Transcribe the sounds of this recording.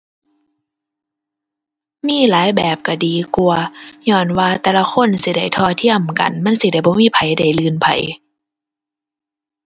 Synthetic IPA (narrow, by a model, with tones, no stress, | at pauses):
miː˧˥˨laː˨˦jbɛː˨˩p̚ka˧˩diː˨˩ku˧ɐɲɔː˧˩nwaː˧t̪ɛː˧la˧kʰo˧˥˨nsi˧˦da˧˩jt̪ʰɔː˧t̪ʰi˧˥˨əmka̰˨˩nma˧˥˨nsi˧˦da˧˩˨jbɔː˧˦miː˧˥˨pʰa˨˩jda˧˩jlɯː˧˨npʰa̰˨˩j